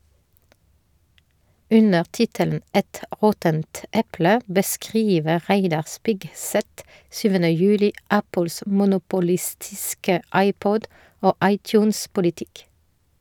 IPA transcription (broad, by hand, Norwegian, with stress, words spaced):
ˈʉnəʁ ˈtɪtəln̩ ˈɛt ˈʔʁɔtənt ˈʔɛplə bəˈskʁiːʋəʁ ˈʁæɪdɑʁ ˈspɪɡˌsɛt ˈsyːʋənə ˈjʉːlɪ ˈæpəls mʊnʊpʊˈlɪstɪskə ˈɑɪˌpɔd ˈoː ˈʔɑɪˌtjʉːnspʊlɪˌtɪk